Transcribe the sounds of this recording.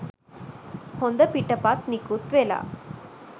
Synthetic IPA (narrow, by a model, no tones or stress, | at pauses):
hond̪ɐpiʈːɐpaːt̪̚nikut̪ʋeːla̰